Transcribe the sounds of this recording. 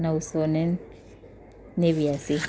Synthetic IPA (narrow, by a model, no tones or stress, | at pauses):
nausɔnɛn | eβijasi